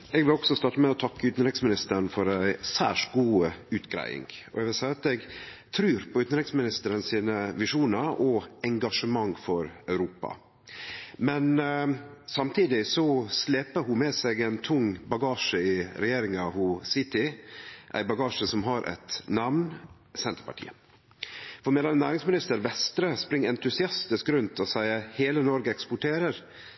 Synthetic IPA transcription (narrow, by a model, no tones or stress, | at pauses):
ɛɡʋɪlɔksɔst̪ɑːʈəmɛɔt̪ʰɑkːəʉːt̪n̩ɾɪksmɪnɪst̪ənfɔɾæɪsæ̰ːʂʈɡuːəʉːt̪ɡɾæ̰ɪɪ̰ŋɡɔ̰ɛɡʋɪlsæɪɑt̪ɛɡt̪ʰɾʉːɾpʰɔʉːt̪n̩ɾɪksmɪnɪst̪əɾənsiːnəʋɪʂuːnəɾɔɛŋɡɑʂəmɑŋfɔɾœʉɾuːpɑ̰ | mɛn | sɑmt̪ʰiːd̪ɪsɔslɛːpəɾɦʊmɛsɛɡæɪnt̪ʰʊŋbɑɡɑːʂəɪɾɛjeːɾɪŋɑhʊsɪt̪ɪʔæ̰ɪbɑɡɑːʂəsɔmɦɑɾʔɛ̰t̪nɑʋn | sɛnt̪ə̥ɾpɑ̰ʈʰḭːə | fɔɾmɛlɑnnæːɾɪŋsmɪnɪst̪əɾʋɛst̪ɾəspɾɪŋːɛnt̪ʉsɪɑst̪ɪskɾʉnt̪ʰɔsæɪəheːlənɔɾɡəɛkspʊʈʰeːɾəɾ